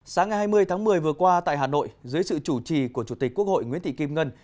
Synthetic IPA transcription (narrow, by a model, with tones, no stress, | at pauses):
saː˨˦ŋːa˨˩jɦaː˧jmɨ˧əjt̪ʰaː˨˦ŋmɨ˨˩əjvɨ˨˩əkwaː˧t̪a̰ː˧˨jɦaː˨˩no̰˧˨jzɨ˨˦jsɨ̰˧˨t͡ɕu˧˩t͡ɕi˨˩ku˧˩ət͡ɕu˧˩t̪i˨˩k̟̚ku˦˥ək̚ho̰˧˨jŋwḭ˨˦ənt̪ʰḭ˧˨ki˧mŋə˧n